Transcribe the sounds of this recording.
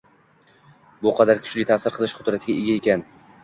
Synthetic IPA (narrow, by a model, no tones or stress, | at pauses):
bʊqʰɑd̪aɾkʲʰʊ̥t͡ʃlɪjt̪ʰasɪɾqʰɨlˠɪʃqʰʊd̪ɾat̪ʰɪɡʲaeɡʲaekʲan